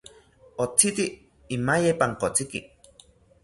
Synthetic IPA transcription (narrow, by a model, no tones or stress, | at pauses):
ot͡sit̪i | imajepaŋkot͡sikḭ